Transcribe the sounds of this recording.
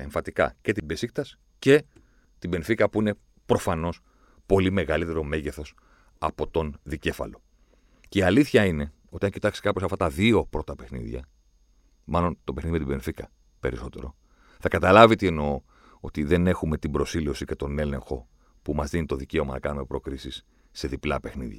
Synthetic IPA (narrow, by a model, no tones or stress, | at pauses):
eɱfɐt̪ikɐ̰ce̞t̪ibe̞sikt̪ɐs | ce̞ | t̪ibe̞nfikɐpuine̞ | pɾo̞fɐno̞s | po̞lime̞ɣɐlit̪e̞ɾo̞me̞ʝeθo̞s | ɐpo̞t̪o̞nðice̞fɐ̰lo̞ | ceiɐliθçɐine̞ | ot̪iɐɲcit̪ɐksi̥kɐposɐft̪ɐt̪ɐðio̞pɾo̞t̪ɐpe̞xnḭðʝɐ̰ | mɐlo̞nt̪o̞pe̞xniðimet̪ibe̞nfikɐ̰ | pe̞ɾiso̞t̪e̞̰ɾo̞̰ | θɐkɐt̪ɐlɐvit̪ieno̞ | ot̪iðe̞ne̞xume̞t̪ibɾo̞sileosice̞t̪o̞ne̞le̞̰ŋxo̞ | pumɐzðinit̪o̞ðice̞o̞mɐnɐkɐnume̞pɾo̞kɾisisː | e̞ðiplɐpe̞xnḭðʝɐ